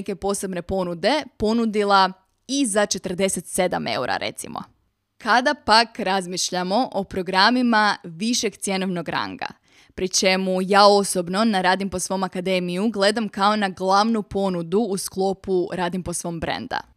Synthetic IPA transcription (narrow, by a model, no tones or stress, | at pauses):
ke̞po̞se̞bne̞po̞nud̪e̞po̞nud̪ilˠa | izat͡ʃe̞t̪ər̩d̪e̞se̞t̪se̞d̪a̰me̞̰uɾa̰ɾʔe̞̰t̪simo̞̰ | kʰad̪apakɾazmiʃʎamo̞ʔopɾo̞ɡɾamimaʋiʃe̞ɡt̪sje̞noʋno̞ɡɾa̰ŋɡa̰ | pɾit͡ʃe̞mujaːo̞sobno̞naɾaːd̪impo̞sʋo̞makad̪e̞mijuɡle̞d̪amkao̞naɡlˠaʋnupo̞nud̪uːsklˠo̞puɾaːd̪imposʋo̞ːmbɾḛnd̪a̰